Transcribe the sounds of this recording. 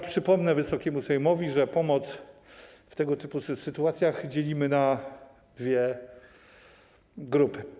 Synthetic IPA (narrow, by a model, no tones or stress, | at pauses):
pʂɘpɔmnɛvɘsɔkʲɛmuzajɔmɔvʲiʐɛpɔmɔt̪s | ft̪ɛɡɔt̪ɘpusɘt̪uat̪sʲjaɣd͡ʑelʲimɘna | d̪vʲjɛ | ɡɾupɘ